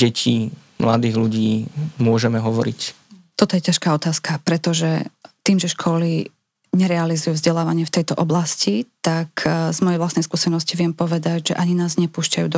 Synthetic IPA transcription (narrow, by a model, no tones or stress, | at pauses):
ɛcʰiː | mla̰d̪iːɣluɟiːmʊɔʒɛmɛɦɔʋɔɾḭc | t̪ɔt̪ɔjɛcaʃkaːɔt̪aːskapɾɛt̪ɔʒɛt̪iːmʒɛʃkʰɔli | ɲɛɾɛalizujuːvzɟɛlaːʋaɲɪɛft̪ɛjt̪ɔʔɔblascit̪akʰzmɔjɛjʋlast̪nɛjskuːsɛnɔsciʋɪɛmpɔʋɛd̪acʒɛʔaɲinaːzɲɛpuːʃcajṵːd̪ɔ